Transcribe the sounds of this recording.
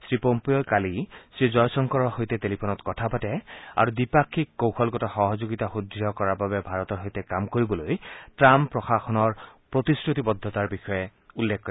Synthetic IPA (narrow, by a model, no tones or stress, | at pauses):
sɹipompejɔkalisɹizɔjsɔŋkɔɹɔhojt̪ɛtelipʰonɔtkɔtʰapatɛa̰ɹudipakʰːikːowxʰɔlɡɔtɔxɔɦɔzoɡit̪axud̪ʱiɔkɔɹaɹbabɛbʱaɹɔt̪ɔɹɦojtɛkamkoɹibɔlojtɹampɹɔxaxɔnɔɹpɹot̪isɹut̪ibɔd̪ʱːɔt̪aɹbixɔjɛulːekʰːɔɾ